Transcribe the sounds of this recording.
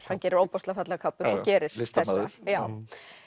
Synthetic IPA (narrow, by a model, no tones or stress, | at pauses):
hancɛːɾɪɾoːwpɔst̪lafat̪lakʰapːʏɾɔcɛːɾɪɾ̥sθɛsːjaːw